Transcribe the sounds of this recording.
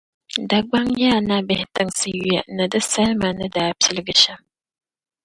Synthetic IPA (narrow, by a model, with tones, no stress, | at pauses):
da˨ɡ͡ba˦ŋjaː˦˨na˦bɪ˨hɪ˦tɨ˦ŋsɨ˦jjɛ˨nɨ˨dɨ˦sa˦ɾma˨nɨ˦daː˨˦pʲɪ˦lɨ˦ɡɨ˦ʃa˦